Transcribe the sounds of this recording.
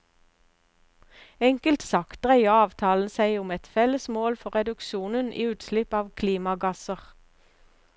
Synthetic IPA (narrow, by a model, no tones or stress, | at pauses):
ɛŋkəlt̪sɑkt̪̚ʁæɪəɑːʋt̪ʰɑːln̩sæɪʊmɛt̪fɛləsmoːlfɔʁɛd̪ʉkʃuːnənʔḭːʉːt̪slɪpɑːʋkʰliːmɑɡɑsəʁ